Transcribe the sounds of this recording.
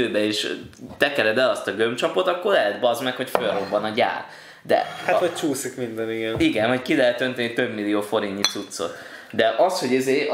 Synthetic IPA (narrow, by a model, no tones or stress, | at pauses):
øːbɛeːʃ | t̪ɛkɛɾɛd̪ɛlɒst̪ɒɡømt͡ʃɒpo̞t̪ɒkːo̞rlɛɦɛd̪bɒzmɛkho̞cfølro̞bːɒnɒɟa̰ːr | d̪ɛ̰at̪ɒt͡ʃuːsikmind̪ɛniɡɛniɡɛnvɒckilɛɦɛt̪ːø̞nt̪ɛnit̪ø̞bmilijoːfo̞ɾiɲcit̪sut̪so̞̰t̪ | d̪ɛʔɒsho̞ɟizeː